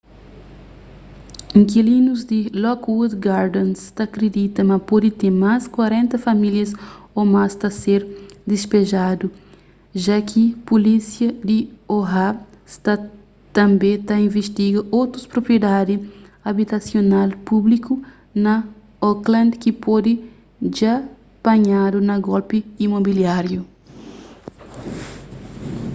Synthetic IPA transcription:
ĩŋkilĩnuzd̪ilɔkwud̪ɡaɾd̪õnst̪akɾed̪it̪ɐmɐpɔd̪it̪ẽmaskwaɾẽnt̪ɐfɐmiljɐsomast̪ɐseɾd̪ispeʒad̪u | ʒakʰipulisjɐd̪ioɦa | st̪a | t̪ɐ̃mbẽt̪ɐĩveʃt̪iɡɐʔowt̪ɾuspɾopɾied̪ad̪iɐbit̪ɐsjonalpubliku | nɐ | oklɐ̃nd̪kipɔd̪i | ʒa | b̥ɐɲad̪unɐɡɔlpiimobiljaɾju

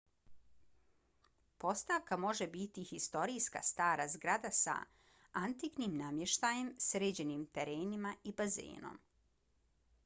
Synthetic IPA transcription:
po̞st̪aʋkamo̞ʒebit̪ixist̪o̞ɾijska̰st̪aːɾazɡɾad̪asa̰ | ant̪iknimnamje̞ʃt̪aje̞msɾeːd͡ʑe̞niːmt̪eɾeːnimaibazḛːno̰m

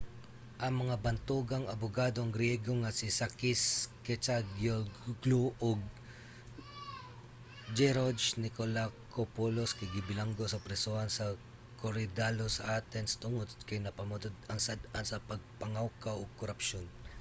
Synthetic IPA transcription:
ʔɐŋmɐŋabɐnt̪uːɡɐŋɐbʊɡaːd̪oɐŋɡɾɪjɛɡoŋɐsɪsakiskɛt͡ʃaɡoɡluʔoɡ̚ | d͡ʒɛɾod͡ʒnɪkolakopoloskɐjɡɪbɪlaŋɡosɐpɾɛsohɐnsɐ | koɾɪd̪alosɐ̰ʔaːt̪ɛnst̪ʊŋot̪kɐjnɐpɐmʊt̪od̪ɐŋsɐd̪ansɐpɐɡ̚pɐŋawkawʔoɡ̚koɾɐpʃon

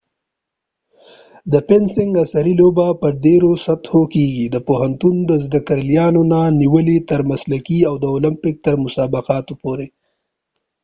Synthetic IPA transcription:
d̪əpɪnsɪŋɡasaɾilobapəɾɖeɾosat̪hokeɡid̪əpoɦant̪und̪əzd̪akəɾljɑnonaniwəlit̪əɾmaslakiawd̪əolɪmpɪk̚t̪əɾmʊsɑbɪqɑt̪opoɾe

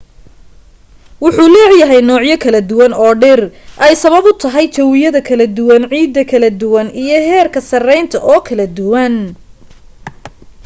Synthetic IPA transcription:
wʊħuːlɛːʕjɐɦɛjnɔːʕjɐkʰɐlɐd̪ʊwɐnɔːɖɪrʔɛjsɐβɐβʊt̪ʰɐɦɛjt͡ʃ̪ʰɛwɪjɐðɐkʰɐlɐd̪ʊwɐnʕiːd̪ːɐkʰɐlɐd̪ʊwɐnijɞɦɛːrkʰɐsɐrɛjnt̪ʰɐʔɔːkʰɐlɐd̪ʊwɐn

